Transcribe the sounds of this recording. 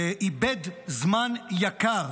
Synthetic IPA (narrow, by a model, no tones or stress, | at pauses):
eʔibedzmanjakaʁ